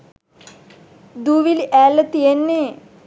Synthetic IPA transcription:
d̪uːʋiliʔæːlət̪ijenːeː

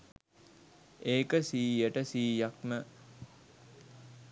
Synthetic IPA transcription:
eːkəsiːjəʈəsiːjakmə

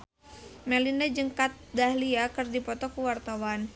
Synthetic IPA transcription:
mɛlindad͡ʒəŋkat̪̚dahliakərdipɔt̪ɔkuwart̪awan

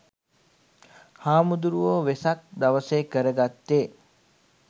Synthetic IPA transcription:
haːmud̪uɾuʋoʋesak̚d̪aʋəseːkəɾəɡat̪ːeː

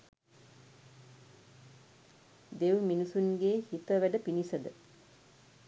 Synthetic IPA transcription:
d̪eʋminusunɡeːhit̪əʋæɖəpinisəd̪ə

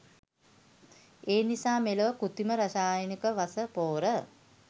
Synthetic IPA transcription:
eːnisaːmeləʋəkut̪iməɾasaːjənikəʋasəpoːɾə

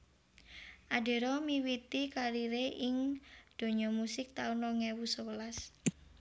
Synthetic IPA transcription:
ʔaɖe̤ɾɔmiwit̪ikaɾiɾeʔɪŋd̪̥o̤ɲɔmusɪk̚t̪aunɔŋewusɔwəlas

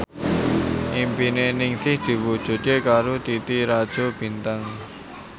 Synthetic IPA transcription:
ʔimpineʔnɪŋsɪhd̪̥i̤wud̥ʒ̥ṳt̪̚jekaɾut̪it̪iɾad̥ʒ̥ob̥i̤nt̪aŋ

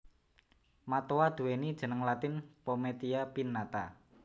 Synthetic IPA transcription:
mat̪oad̪̥ṳwenid̥ʒ̥ə̤nəŋlat̪ɪnpomet̪iapinːat̪a

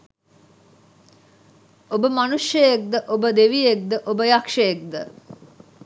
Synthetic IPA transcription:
obəmɐnuʃjɐjek̚d̪əʔobəd̪eʋijek̚d̪əʔobəjɐkʂɐjek̚d̪ə

